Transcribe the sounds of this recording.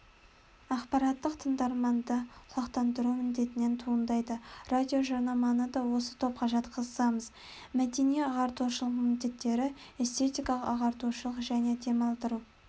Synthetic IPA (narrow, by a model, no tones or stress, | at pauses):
ɑqpɑɾɑt̪ːəqt̪ʰəɴd̪ɑɾmɑnd̪əɑqt̪ɑnd̪əɾumɪnd̪e̞t̪ɪne̞nt̪ʰuənd̪ɑjd̪ərad̪ʲio̞ʒoɾnɑmɑnəd̪ɑwo̞sə̥t̪ʰo̞p̚qʰɑʒɑt̪qʰəzəsɑməz | mæd̪e̞nieɑʁɑɾt̪uʃəlˠəqmɪnd̪e̞t̪ːe̞ɾɪe̞st̪e̞t̪ijkɑlˠəqɑʁɑɾt̪uʃəlˠəqʒæne̞d̪e̞mɑlˠd̪əɾu